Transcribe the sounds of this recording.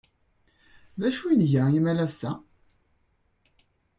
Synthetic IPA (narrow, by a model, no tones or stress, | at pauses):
ðæʃujnʝɾæimælæsːæ